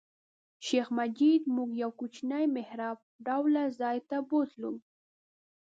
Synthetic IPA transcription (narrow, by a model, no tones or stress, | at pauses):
ʃexmad͡ʒid̪muɡjawkut͡ʃnajmɪhɾɑf | ɖawlazɑjt̪abot̪lṵm